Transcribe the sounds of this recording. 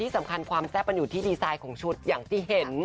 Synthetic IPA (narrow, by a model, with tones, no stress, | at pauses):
t̪ʰiː˥˩sa˩˦mkʰa˧nkʰwaː˧msɛː˥˩pːa˧njuː˨˩t̪ʰiː˥˩diː˧saː˧jkʰɔː˩˦ŋt͡ɕʰu˦˥˩t̪̚jaː˨˩ŋt̪ʰiː˥˩ɦe˨˩˦n